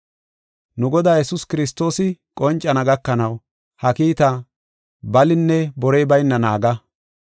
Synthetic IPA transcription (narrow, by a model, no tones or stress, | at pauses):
nʊɡɔd̪aːjɛsʊskɪɾɪs̬t̪o̞ːsɪkʼɔnt͡ʃʼːɐnɐɡɐkːɐnɐw | hɐkiːt̪ɐ | bɐlɪnːɛbɔɾɛjbɐjnːɐnaːɡɐ